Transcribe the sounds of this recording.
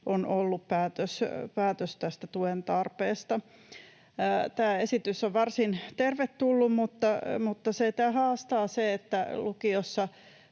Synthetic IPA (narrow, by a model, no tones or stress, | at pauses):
ʔonʔolːuppæːt̪øspæːt̪øst̪æst̪æt̪uent̪ɑrpeːst̪ɑ | t̪æːesit̪ysːoʋʋɑrsint̪erʋet̪tulːummut̪ːɑmut̪ːɑset̪æːhɑːst̪ɑːseet̪ːælukiosːɑ